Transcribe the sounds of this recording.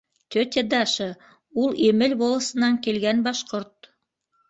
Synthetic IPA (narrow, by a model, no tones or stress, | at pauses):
t̪ʲøt̪ʲed̪ɑʃɤ | ulˠimɘlbolˠɤ̆sɤ̆nɑŋkilɡænbɑʃqoɾt̪